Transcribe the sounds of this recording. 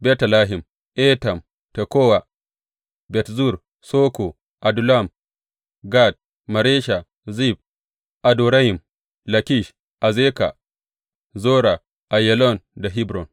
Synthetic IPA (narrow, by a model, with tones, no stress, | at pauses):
bɛ˦tla˦ɦi˨m | ʔɛ˦ta˨m | te˨koː˦wa˨ | bɛ˨tzu˦˨ɾ | so˦ko˨ | ʔa˨du˨la˦˨m | ɡa˦˨t̚ | ma˨ɾe˦ʃa˨ | zi˦˨b̚ | ʔa˨du˨ɾa˦hi˨m | la˨ki˦˨ʃ | ʔa˨ze˦ka̰˨ | zoː˦ɾa˨ | ʔa˨jɛ˨lɔ˦˨nda˨ɦi˦bɾɔ˨n